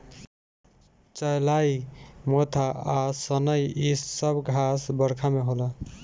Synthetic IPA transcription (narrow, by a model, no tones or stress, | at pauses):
t͡ʃəjlaimot̪ʰaasənəjissəbɡʱasbəɾkʰameɦolə